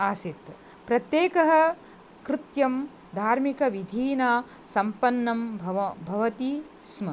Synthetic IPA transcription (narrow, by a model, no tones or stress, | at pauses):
aːsit̪ | pɾɐt̪jeːkɐɦɐ̆ | kɾɪt̪jɐm | d̪ʱaːɾmikɐʋid̪ʱiːnaː | sɐmpɐnːɐmbʱbʱɐʋɐt̪i | smɐ